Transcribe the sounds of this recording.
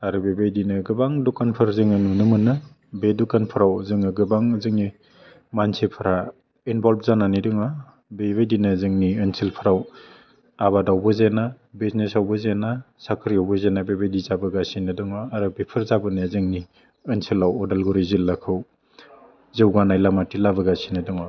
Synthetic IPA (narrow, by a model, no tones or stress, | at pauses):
aɾɯbebajdinɯɡɯbaŋdukanpʰɯɾzɯŋɯnunɯmɯnɯ | bedukanpʰɯɾawzɯŋɯɡɯbaŋzɯŋni | mansepʰɯɾa | inbɔlb̚zananidɯŋa | beβajdinazɯŋniɯnsilpʰɯɾaw | aβadawbɯzena | biznesawbɯzena | sakʰɾiawbɯzenabebejdizabɯɡasinɯdɯŋaːɾɯbepʰɯɾzabɯniazɯŋni | ɯnsilawɔdalɡuɾizilːakʰɯw | zɯwɡanajlamatilabɯɡasinɯdɯŋa